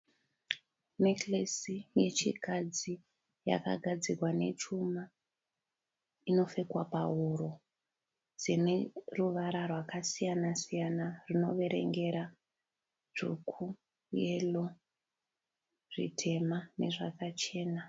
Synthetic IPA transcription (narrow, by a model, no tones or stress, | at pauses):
neklesije̞t͡ʃikad͡zi | ja̰ka̰ɡʱad͡zirwane̞̰t͡ʃuma | ino̞fe̞kwapauɾo | d͡zineruʋaɾarwakasijanasijanarino̞ʋe̞ɾe̞̰ŋɡe̞ɾa | ʐ̥ukʰu | je̞lo | ʐḭtʰe̞mane̞̰ʐakat͡ʃe̞ːna